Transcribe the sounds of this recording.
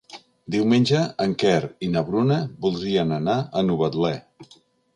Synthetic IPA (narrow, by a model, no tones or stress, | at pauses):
d̪iwmenʲd͡ʒəəŋkɛɾinəβɾunəbulˠd̪ɾiənənaənuβət̪lɛ